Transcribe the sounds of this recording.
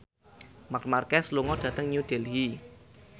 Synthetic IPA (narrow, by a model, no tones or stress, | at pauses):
makmarkɛsluŋɔɖ̥ä̤t̪əŋɲud̥elɦi